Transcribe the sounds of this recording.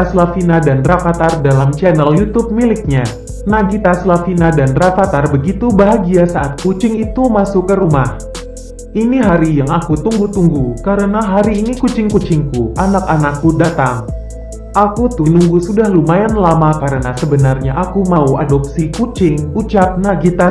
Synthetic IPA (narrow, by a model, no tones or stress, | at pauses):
aslafinadanrafat̪ardalamt͡ʃɛnɛljut̪up̚milɪk̚ɲa | naɡit̪aslafinadanrafat̪arbəɡit̪ubaɦaɡiasaʔat̪̚kut͡ʃɪŋit̪umasʊkːəɾumah | ʔiniɦaɾijaŋakut̪uŋɡut̪uŋɡukaɾənaɦaɾiːnikut͡ʃɪŋkut͡ʃɪŋkuʔanakanakːudat̪aŋ | ʔakut̪unuŋɡusudahlumajanlamakaɾənasəbənarɲaʔakumauadop̚sikut͡ʃɪŋut͡ʃap̚naɡit̪a